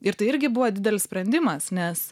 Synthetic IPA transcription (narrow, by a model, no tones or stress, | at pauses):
ɪɾt̪ɐɪɪɾʲɡʲɪbʊʋoːd̪ʲɪd̪ʲɛlʲɪssʲpʲɾʲɛnʲd̪ʲɪmɐsnʲɛs